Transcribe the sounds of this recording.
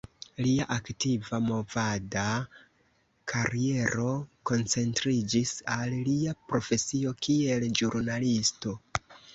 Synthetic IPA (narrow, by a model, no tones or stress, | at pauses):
liaʔaktivamo̞vada | kʰaɾie̞ɾo̞ko̞nt͡se̞ntɾid͡ʒisalliapɾo̞fe̞sio̞kie̞ld͡ʒuɾnalisto̞